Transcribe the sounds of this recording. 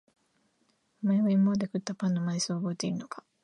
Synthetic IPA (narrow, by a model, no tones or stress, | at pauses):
omaeβaimːod̪ekɯ̟t̪ːapãnːomaɲʲisɨaoːbo̞et̪e̞iɾɯ̟no̞kḁ